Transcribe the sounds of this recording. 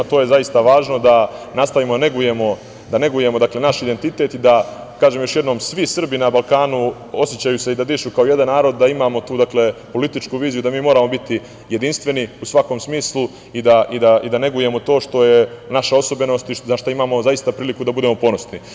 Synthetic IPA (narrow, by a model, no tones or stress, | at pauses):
t̪oje̞zaist̪aʋaːʒno̞d̪anast̪aʋimone̞ɡuje̞mo̞ | d̪ane̞ɡuje̞mo̞d̪akle̞naʃid̪e̞nt̪it̪e̞ːt̪id̪a | kaːʒemjo̞ʃjed̪no̞ːmsʋisr̩binabalˠkaːnu | o̞sjet͡ɕajuse̞id̪ad̪iːʃukaoje̞d̪anːaːɾo̞d̪ːaimaːmo̞t̪uːd̪akle̞po̞lit̪it͡ʃkuʋiːzijud̪amiːmoːɾamo̞bit̪i | je̞d̪inst̪ʋe̞niusʋako̞msmiːslˠu | id̪aid̪aʔid̪ane̞ɡuje̞mo̞t̪o̞ːʃt̪o̞je̞naʃao̞sobeno̞st̪iaʃt̪aimaːmo̞zajist̪apɾiːlikud̪abud̪emo̞po̞no̞sni